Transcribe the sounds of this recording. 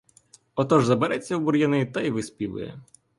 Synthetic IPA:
ɔt̪ɔʒzɐbeɾɛt͡sʲːɐwbuɾjɐnɪit̪ɐjʋɪspʲiʋɪ̰jɛ̰

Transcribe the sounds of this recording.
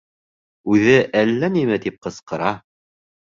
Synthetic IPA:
ʉðɘʔælːænimæt̪ip̚qɤ̆sqɤ̆ɾɑ

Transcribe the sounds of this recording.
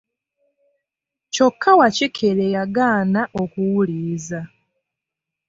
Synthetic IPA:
co̞kːawacikʰelejaɡaːnaʔokuwuliːza

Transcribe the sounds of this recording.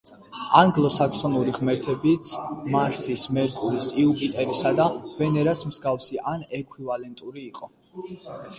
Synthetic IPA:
aŋɡlˠɔsakʰsɔnuɾiʁmɛɾt̪ʰɛbit̪sʰmaɾsismɛɾkʼulisiupʼit̪ʼɛɾisad̪av̥ɛnɛɾasmz̥ɡafsiʔanɛkʰwivalɛnt̪ʼuɾiːqʼɔ

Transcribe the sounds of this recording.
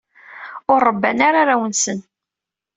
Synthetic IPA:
ʊɾˤːəbːæ̰naɾaɾawənsən

